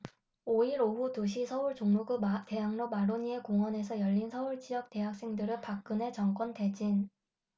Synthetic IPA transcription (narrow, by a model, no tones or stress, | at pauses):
oiɾoɸutoɕʰisʰʌuɭt͡ɕoŋmuɡute̞ɦaŋnomaɾoɲie̞koŋʌne̞s̬ʰʌjʌʎːinsʰʌuɭt͡ɕijʌk̚te̞ɦak̚s͈e̞ŋdɯɾɯpak̚k͈ɯne̞t͡ɕʌŋk͈wʌnte̞d͡ʑin